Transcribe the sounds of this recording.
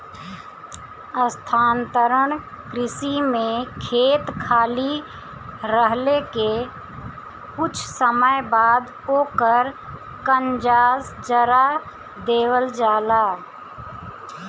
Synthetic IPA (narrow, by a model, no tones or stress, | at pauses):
əst̪ʰaːnt̪əɾəɳ̃ | kɾɪsimẽkʰeːt̪kʰaːli | ɾəɦleke | kʊt͡ʃʰsəməjbaːd̪ | oːkəɾ | kənd͡ʒaːsd͡ʒəɾa | d̪eːwəld͡ʒaːlaː